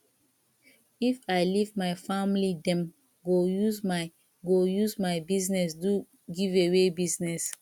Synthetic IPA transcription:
ifaɪlivmaɪfamlidɛ̃m | ɡojuzmaɪ | ɡojuzmaɪbiznɛsdu | ɡivewebiznɛs

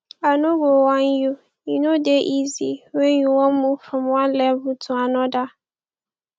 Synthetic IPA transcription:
anʊ̃ɡowãnju | inodeʔiziwɛ̃jũwɔ̃mmũfɾɔ̃mwãnlɛvʊtʰʊ̃anɔ̃da

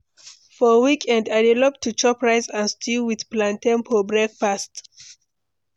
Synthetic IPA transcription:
fɔwikʰɛ̃ndaɪdɛlɔp̚tʰːut͡ʃɔpɹaɪsãnstʰiwið̥plãntɛ̃npɔbɹɛk̚past

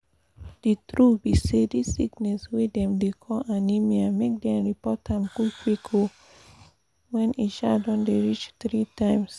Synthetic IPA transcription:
d̥itɹubisedisːiknɛswedɛ̃mdekʰɔʔãnimiamek̚dɛ̃ɹipɔtãmɡukʰwikʰo | wɛ̃niʃadɔ̃ndeɹit͡ʃtɹitãɪ̃ms

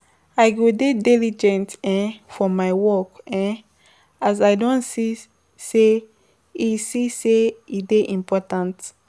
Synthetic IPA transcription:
aɪɡodedilid͡ʒɛ̃ntɛ̃nfɔmajwɔkɛ̃n | azaɪdɔ̃nsi | se | isiseideʔĩmpɔtãnt

